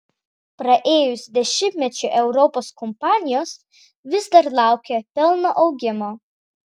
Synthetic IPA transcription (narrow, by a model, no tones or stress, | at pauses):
pɾɐʔeːjʊsd̪ʲɛʃʲɪmʲpʲmʲɛt͡ʃʲʊʔɛʊɾɔpoːskɔmpɑːnʲɪjoːs | ʋʲɪzd̪ɐɾlˠɑˑʊkʲɛpʲɛlˠnoʔɐʊɡʲɪmo